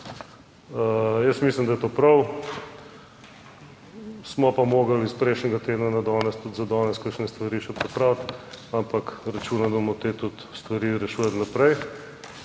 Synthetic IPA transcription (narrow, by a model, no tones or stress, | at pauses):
jəsmislimd̪ɐjɛt̪oːpɾɐw | smɔpamoːɡɐlispɾɛjʃnɛɡat̪eːd̪nanad̪ɔːnɛst̪ut̪zɐd̪ɔːnɛskakʃnɛst̪ʋɐɾiːʃɛpɾɛpɾawt̪ampɐkɾɐt͡ʃuːnad̪mɔt̪eːt̪ut̪st̪ʋɐɾiːɾɛʃuːjat̪nɐpɾɛj